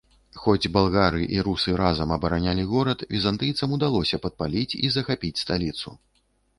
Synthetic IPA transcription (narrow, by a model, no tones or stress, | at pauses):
xɔd͡zʲbalˠɣaɾɨʔiɾusɨɾazɐmɐbɐɾanʲalʲiɣɔɾɐt̪vʲizant̪ɨjt̪sɐmud̪alˠɔsʲɐpɐt̪̚palʲit͡sʲḭzɐxapʲit͡sʲst̪alʲit̪sṵ